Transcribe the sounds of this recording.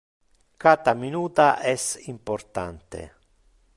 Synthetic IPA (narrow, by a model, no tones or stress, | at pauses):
kat̪aminuːt̪aʔɛsimpoɾt̪a̰nt̪ḛ